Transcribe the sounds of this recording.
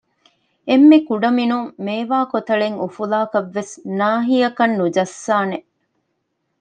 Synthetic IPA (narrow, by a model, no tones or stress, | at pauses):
emːekuɖɐminuŋmeːʋaːkot̪ɐɭeŋufulaːkɐʋːesnaːɦijɐkɐnːud͡ʒɐsːaːne